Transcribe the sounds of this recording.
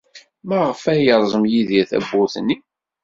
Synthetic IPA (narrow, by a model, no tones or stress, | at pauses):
mæʁəfæjəɾˤzˤəmjiðiθæ̰bːʊθnːi